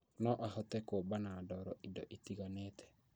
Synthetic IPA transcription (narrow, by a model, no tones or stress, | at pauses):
nɔʔahɔtɛkobanadɔɾɔʔidɔ̰ʔitiɡanetʰɛ̥